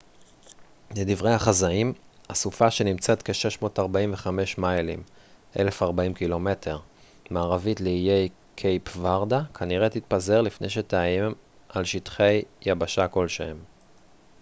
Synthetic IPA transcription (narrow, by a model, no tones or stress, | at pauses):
led̪ivʁe̞jhaχazaimasufaʃe̞nimt͡se̞t̪ke̞ʃe̞ʃmo̞ːtaʁbaiɱveχame̞ʃmajlḭm | ʔe̞̰le̞faʁbaimkilo̞me̞tʰe̞ʁ | maːʁavitleijej | kʰejpvaʁdakʰaniʁet̪it̪̚paze̞ʁlifne̞jʃ̬e̞teaim | ʔalʃitχe̞jjːabaʃako̞lʃem